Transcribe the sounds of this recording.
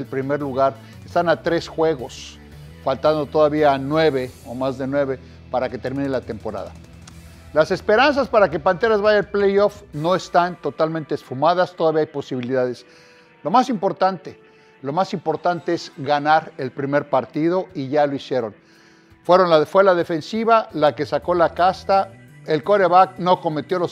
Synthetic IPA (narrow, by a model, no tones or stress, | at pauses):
elpɾime̞ɾluɣaɾ | est̪anat̪ɾe̞sxwe̞ɣo̞s | falt̪and̪o̞t̪o̞ðaβianwe̞βe̞o̞mazðe̞nwe̞βe̞ | paɾake̞t̪e̞ɾmĩnelat̪e̞mpo̞ɾa̰ða̰ | lase̞spe̞ɾans̬aspaɾake̞pant̪e̞ɾazβaʝaelplejofno̞est̪ant̪o̞t̪almẽnt̪eːsfumaðast̪o̞ðaβiaajpo̞siβ̞iliðaðe̞s | lo̞masimpo̞ɾt̪ant̪e | lo̞masimpo̞ɾt̪ant̪e̞ez̥ɣanaɾe̞lpɾime̞ɾpaɾt̪iðo̞iʝalo̞isje̞ɾo̞n | fwe̞ɾo̞nlaðfwelaðe̞fe̞nsiβalake̞sako̞lakast̪a | e̞lko̞ɾeβakno̞ko̞me̞t̪jo̞lo